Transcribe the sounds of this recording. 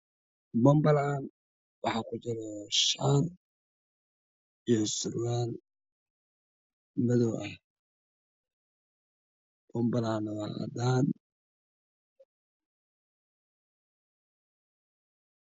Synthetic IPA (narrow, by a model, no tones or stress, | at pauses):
mɐmbɐlaːn | wɑħɑkʰʊt͡ʃɪɾɔʃaːr | ijɔsʊrwaːn | mɐðɔwʔɐh | mɐmbɐlaːnɐwɑ̰ɑ̰d̪aːn